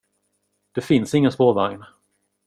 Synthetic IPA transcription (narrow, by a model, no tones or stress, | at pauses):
d̪̥ɛfɪnsɪŋːənspoːvaŋn